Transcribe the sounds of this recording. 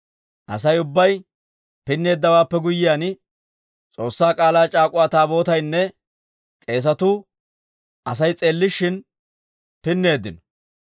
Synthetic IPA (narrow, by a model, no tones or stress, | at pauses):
ʔɐsɐjʊbːɐj | pɪnːe̞ːd̪ːɐwaːpːɛɡʊjːɪjan | t͡sʼo̞ːsːaːkʼaːlaːt͡ʃʼaːkʼʊwaːt̪aːbo̞ːt̪ɐjnːɛ | kʼe̞ːs̬ɐt̪ʊ | ʔɐs̬ɐjt͡sʼe̞ːlːɪʃːɪn | pɪnːe̞ːd̪ːɪnɔ̥